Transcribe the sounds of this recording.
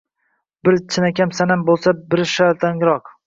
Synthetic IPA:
bɪɾt͡ʃʰɪnakʲamsanambolˠsabɪɾʃaɾt̪ʰaŋɾɒq

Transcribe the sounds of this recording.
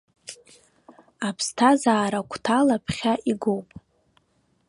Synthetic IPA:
apʰstʰazaːɾakʷʰtʰalapʰχʲaʔiɡowpʼ

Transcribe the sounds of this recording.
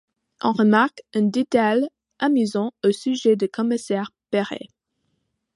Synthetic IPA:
ʔɑ̰̃ʁəmaʁkɛ̃d̪et̪aj | ʔamyzɑ̃osyʒed̪əkʰɔmisɛʁpeʁḛ

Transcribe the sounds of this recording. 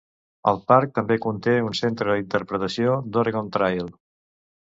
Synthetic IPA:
ə̰lˠpaɾk̚t̪əmbekunt̪eunsent̪ɾəðint̪əɾpɾət̪əsiod̪oɾeɣont̪ɾajlˠ

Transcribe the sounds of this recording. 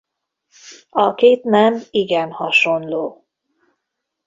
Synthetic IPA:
ɒkeːt̪nɛmiɡɛnhɒʃo̞nloː

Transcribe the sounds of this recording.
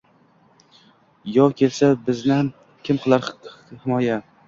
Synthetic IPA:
jɒwkʲʰe̞lsabɪznɪha | kʲʰɪmqʰɨlˠaɾhɪmɒja

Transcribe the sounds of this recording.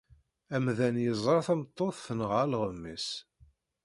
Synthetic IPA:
æmðænjəzˤɾˤɑθæmt̪ˤːoθːənʁalʁəmːis

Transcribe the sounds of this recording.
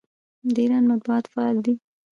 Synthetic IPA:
deɾanmat̪̚buɑt̪faɑld̪i

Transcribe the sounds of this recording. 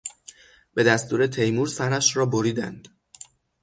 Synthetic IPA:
b̥e̞d̪æst̪uːɾet̪ʰe̞jmuːɾsæɾæʃɾɒːboɾiːd̪æ̰nd̪̥

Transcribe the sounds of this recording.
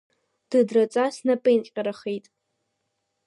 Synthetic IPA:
d̥ɨdrɐt͡sʼasnɐpʼɨinqʲʼqʲʼɐɾɐχejtʼ

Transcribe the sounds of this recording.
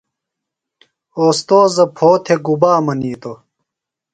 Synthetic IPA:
oːst̪oːzɐpʰoːt̪ʰeɡubaːmɐniːt̪o

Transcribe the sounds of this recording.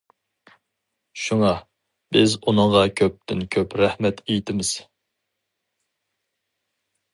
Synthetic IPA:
ʃuŋɑ | bɪzunɨŋʁɑkʲʰøp̚t̪ʰɪnkʲʰøpɾæhmɛt̪ʰejt̪ʰɪmɪz̥

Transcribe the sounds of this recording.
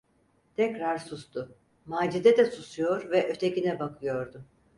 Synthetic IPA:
t̪ʰɛcɾaɾsust̪ʰʊ | maːd͡ʒid̪ɛd̪ɛsusujo̞ɾvɛʔø̞t̪ʰecinɛbakʰɯjo̞ɾd̪ʊ

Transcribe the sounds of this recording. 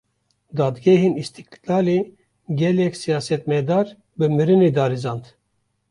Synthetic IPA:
d̪ɑːd̪ɡɛɦenist̪iklɑːle | ɡɛlɛkʲsijɑːsɛt̪mɛd̪ɑːɾ | bɨmɨɾɨned̪ɑːɾizɑːnd̪

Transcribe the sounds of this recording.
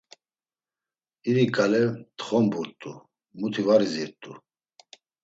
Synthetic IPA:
iɾikʼalɛt̪χɔmbuɾt̪ʼu | mut̪ʰivaɾiziɾt̪ʼu

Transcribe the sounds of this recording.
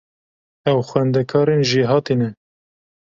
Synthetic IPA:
ɛwxwɛnd̪ɛkʰɑːɾenʒiɦɑːt̪iːnɛ

